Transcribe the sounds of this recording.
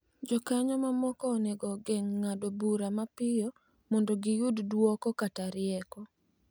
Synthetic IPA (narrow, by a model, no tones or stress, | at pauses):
d͡ʒɔkaɲɔmamɔkɔneɡɔɡeŋːadobuɾamapɪjɔ | mɔndoɡɪjʊddwɔkɔkataɾɪɛkɔ